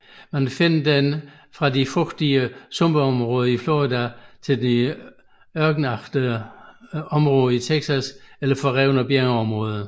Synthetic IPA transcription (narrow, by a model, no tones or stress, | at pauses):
mænfe̝nd̥en | fʁɑ̈difʁɔɡ̥d̥iəsɔ̽mb̥əɒ̽mʁɔːð̞ˠəiflɔd̥æt͡sʰe̝ld̥i | ɶɐɡ̥n̩ɑ̈fd̥ə | ɒ̽mʁɔ̽ːðˠəit͡sʰeɡ̥sæselɐfɒ̽ʁɛʊnɒb̥eɐŋəɒ̽mʁɔ̽ːð̞ˠə